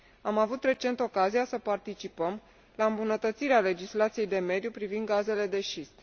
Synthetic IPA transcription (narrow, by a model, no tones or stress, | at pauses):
amavut̪re̞t͡ʃe̞nt̪o̞kazijasəpart̪it͡ʃipəm | laɨmbunət̪ət̪siɾeale̞d͡ʒislat̪sije̞jd̪e̞me̞d̪jupɾivind̪̚ɡaze̞le̞d̪e̞ʃist̪